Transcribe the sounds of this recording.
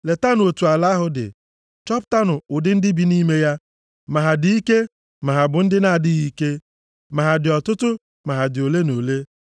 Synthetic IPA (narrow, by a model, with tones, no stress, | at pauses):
le˨ta˦n˨o˨tu˨a˨la˦ɦʊ˦dɪ̰˨ | t͡ʃɔ˦pta˦nʊ˨ʊ˨dɪ˦n̩˦dɪ˦bi˨ni˦me˦ja˦ | ma˨ɦa˨dɪ˨˦i˦ke˦ | ma˨ɦa˨bʊ˨n̩˦dɪ˦na˦a˨dɪ˦ɣi˨˦ke˦ | ma˨ɦa˨dɪ˨ɔ˨tʊ˦tʊ˦ | ma˨ɦa˨dɪ˨o˨le˦no˨le˦